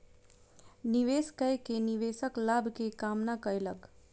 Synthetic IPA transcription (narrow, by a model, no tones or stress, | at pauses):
niʋeskəjkeniʋesəklabʱkekamnakəelək